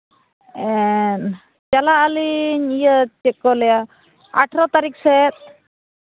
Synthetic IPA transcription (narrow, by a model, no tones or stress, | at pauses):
ɛn | t͡ʃalaːliɲijət͡ʃɛkːɔlɛja | a̰ʈʰɾɔt̪aɾiksɛt̪̚